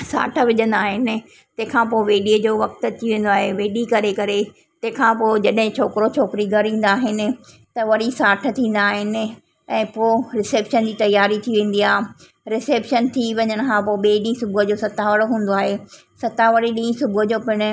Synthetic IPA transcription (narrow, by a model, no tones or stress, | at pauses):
sa̰ːʈʰəʋɪʄə̃nd̪aːɦɪnɪ̆ | t̪ɐ̃ɦɪ̃kʰãːp̬oːʋeːɗiəd͡ʑoːʋɐk̚t̪ʊ̆t̪ʰiʋẽːn̆d̪oaːɦeʋeːɗikɐɾekɐɾe | t̪ɐ̃ɦɪ̃kʰãːpoːd͡ʑɐɗɦɪ̃t͡ɕʰoːkɪɾot͡ɕʰoːkɪɾiɡʱɐɾĩːn̆d̪aːɦɪnɪ̆ | t̪ɐʋɐɾisaːʈʰə̆t̪ʰĩːn̆d̪aːɦɪnɪ̆ | ɛ̃ːpoːɾɪseːpʃənd͡ʑiːt̪ɐjaːɾit̪ʰiʋẽːn̆d̪iaːɦ | ɾɪseːpʃənt̪ʰiʋɐɲəɽ̃̆kʰãːpoːɓeːɗĩːsʊbʱʊɦəd͡ʑoːsɐt̪aʋəɽɦũːn̆d̪oaːɦe | sɐt̪aʋɐɽiɗĩːsʊbʊəd͡ʑoːpɪɽ̃ʊ̆